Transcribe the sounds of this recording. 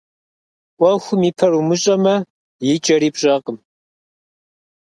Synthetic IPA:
kʷʼɔxʷʊmiːpʰɐrumɨɕʼɐmɐ | jɪt͡ʃʼɐɾiːpɕʼɐqʼəm

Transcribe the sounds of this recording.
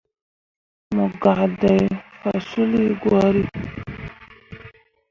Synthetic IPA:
mʊɡad̪ajfasuliɡwaɾi

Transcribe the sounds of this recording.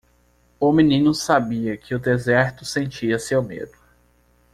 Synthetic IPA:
ʊmĩnĩnʊsabiɐkʰɪʊd̪ezɛɾt̪ʊsẽnt͡ʃiɐsewmḛd̪ʊ

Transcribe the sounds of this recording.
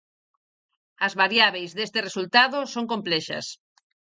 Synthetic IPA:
ɐzβaɾjaβ̞ejzðest̪eresult̪aðosõŋkomplɛʃɐ̰s

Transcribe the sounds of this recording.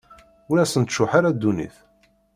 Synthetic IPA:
ʊɾæsənt̪ʃʊħaɾad̪ːunḭθ

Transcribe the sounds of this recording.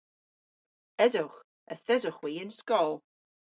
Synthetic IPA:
ɛdʊχ | əθɛdʊχwiːənskɔlˠ

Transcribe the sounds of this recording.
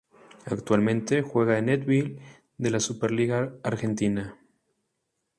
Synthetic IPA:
akt̪walmẽnt̪e̞xwe̞ɣaenet̪βil | d̪e̞lasupeɾliɣaːɾxe̞nt̪ina

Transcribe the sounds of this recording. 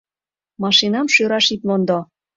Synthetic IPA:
mɑʃinɑmʃøɾɑʃit̪lond̪o

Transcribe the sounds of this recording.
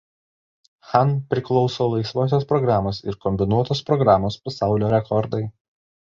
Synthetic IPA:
xɑnpʲɾʲɪklˠɔʊsoːlˠɐɪsʋoːs̬ʲospɾɔɡɾɑːmoːsɪɾkɔmʲbʲɪnuɔt̪oːspɾɔɡɾɑːmoːspɐsɑˑʊlʲoːɾʲɛkʰɔɾd̪ɐɪ

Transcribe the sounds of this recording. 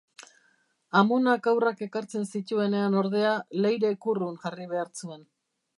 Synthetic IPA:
amonakawrake̞kaɾt͡se̞nsit̪ue̞ne̞ano̞ɾðe̞ale̞jɾe̞kurunʝariβe̞aɾt͡sue̞n

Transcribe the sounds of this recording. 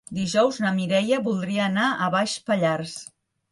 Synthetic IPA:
d̪iʒɔwznəmiɾɛjəβulˠd̪ɾiəːnaʔəβaʃpəʎars

